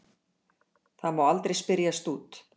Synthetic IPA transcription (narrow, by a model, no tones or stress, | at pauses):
θaðmaːwalt̪ɾejspɪɾjast̪uːt̪